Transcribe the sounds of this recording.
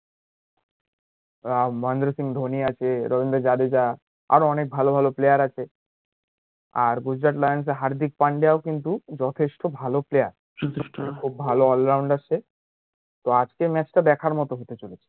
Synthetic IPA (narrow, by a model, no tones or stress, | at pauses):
mɔend̪ɾosiŋd̪ʱoniat͡ɕʰeɾɔbind̪ɾoɾd͡ʑad̪ed͡ʑa | a̰ɾoɔnek̚bʱalobʱaloplejaɾat͡ɕʰe | aɾɡud͡ʑɾaʈlajans̬eɦaɾd̪ik̚paɳɖejaokint̪ud͡ʑɔt̪ʰeʃʈobʱaloplejaɾ | ɔt̪ʰeʃʈokʰubːʱaloɔlɾawɳɖat͡ɕʰe | t̪oad͡ʑkemɛt͡ɕʈad̪ɛkʰaɾmɔt̪oɦot̪et͡ɕolet͡ɕʰe̥